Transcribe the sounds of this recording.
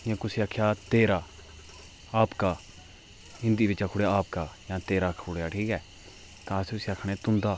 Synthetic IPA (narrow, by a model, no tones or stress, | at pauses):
jãːkʊsiːaːkʰjaːt̪eːɾaː | aːpkaː | ɪ̃nd̪iːbɪt͡ʃaːkʰʊɽjaːpkaːjãːt̪eːɾaːkʰʊɽjaːʈʰiːkɛː | t̪ãːsʊsiakʰɽ̃eːt̪ʊnd̪aː